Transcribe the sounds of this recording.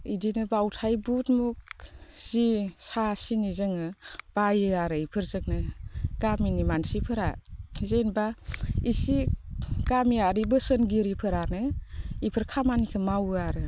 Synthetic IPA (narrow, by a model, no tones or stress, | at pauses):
idinɯbawtʰajbut̚muk̚z̥isasinizɯŋɯb̥ajɯaɾɯipʰɯɾzɯk̚nɯɡ̥aminimansipʰɯɾa̰zenbaisiɡ̥amiaɾibɯsɯnɡiɾipʰɯɾanɯipʰɯɾkʰamanikʰɯmawɯaɾɯ